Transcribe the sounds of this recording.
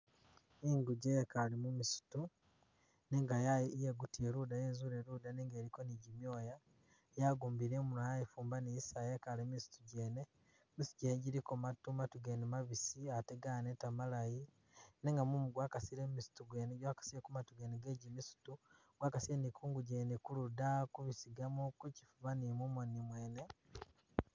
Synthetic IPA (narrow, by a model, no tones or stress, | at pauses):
iŋɡuɟekalimumisu̥tu | neŋɡajajeɡutieɾudajeːzuɾeɾuːdaneːŋɡeːɾikoniɟimjo̞ːja | jaɡuːmbiɾemunajajifuːmbaniisajekalemisu̥tuɟeːne | mistuɟeːneɟiɾikomatumatuɡenemaβisiateɡanetamalaji | neŋɡamumuɡwaːkasiɾemisu̥tuɡweneɟwaːkḁsiɾekumatuɡeneɡeːɟimisu̥tu | ɡwaːkasienikʰuːŋɡuɟeːnekuludakuβisiɡamukuci̥fuβanimumonimwe̞ːne̞